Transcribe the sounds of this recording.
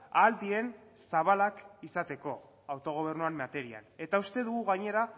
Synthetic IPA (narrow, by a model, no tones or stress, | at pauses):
ald̪ie̞n | saβalakisat̪e̞ko̞ | awt̪o̞ɣ̞o̞β̞e̞rnuammat̪e̞ɾia̰ne̞t̪aust̪e̞ðuɣ̞uɣajɲe̞ɾa